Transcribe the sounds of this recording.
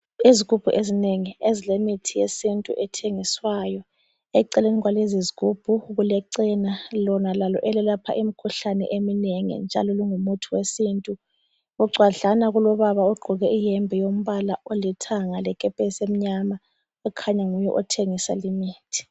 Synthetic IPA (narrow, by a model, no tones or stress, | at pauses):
iziɣub̥ʱuʔezineŋiezilemitʰijesintʼṵʔɛtʰeŋiswaːjɔ | ɛǀɛleniɣwaleziziɣub̥ʱuɣulɛǀɛnalɔnalalɔ̰ʔɛlɛlapʰa̰ʔim̩kʰuɬanɛ̰ʔemineŋḭnd͡ʒʱa̰lɔliŋumutʰuwesintʼu | ɣuɡ͡ǀʱwaɮanaɣulɔβaβauɡ͡ǃʱuɣɛʔijɛmbʱɛjom̩βalaolitʰaŋalɛkʼɛpʼɛsem̩ɲama | ukʰaɲaŋujɛ̰ʔɔtʰeŋisa̰limiːtʰi̥